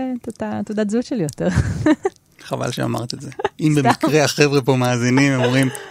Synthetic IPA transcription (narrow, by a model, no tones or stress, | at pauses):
t̪ot̪at̪od̪atzuʃelijot̪eʁ | χava̰lʃea̰ma̰ʁt̪ezeimbemikʁeaχevʁepo̞maːzinimeomʁim